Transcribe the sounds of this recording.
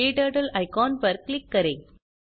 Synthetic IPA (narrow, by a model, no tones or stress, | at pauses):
eːʈɐːʈɐlɐɪkaːnpɐɾkɭɪkːɐɾɐɪ